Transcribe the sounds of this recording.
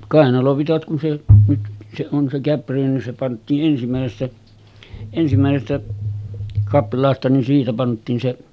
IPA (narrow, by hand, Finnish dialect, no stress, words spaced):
kɑˑenɑloʋitɑt kun se nyt se on se kæpːyræ nin se pɑntˑiːʔ ʔensimæˑesestæ ensimæˑesestæ kɑplˑɑːstɑ nin siːtæ pɑntˑiːn se